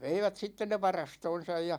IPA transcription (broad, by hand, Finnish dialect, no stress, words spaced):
ʋeiʋæt sitːen ne ʋɑrɑstoːn̞sɑj jɑ